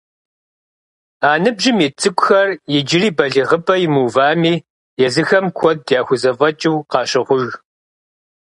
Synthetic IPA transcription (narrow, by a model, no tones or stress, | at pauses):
aːnɨbʒɪmit͡sʼɨkʷʼʊxɐrjɪd͡ʒɪriːbɐɮiʁəbʼɐjɪmuːvaːmiː | jɛzɨxɐmkʷʰɔd̚djaːxʷʊzɐvɐt͡ʃʼuwqɑːɕɪʁʷʊʒ